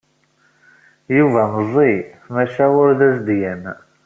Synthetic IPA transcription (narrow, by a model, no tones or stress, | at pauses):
juvæməzˤimæʃæʊɾðæs̬d̪jæn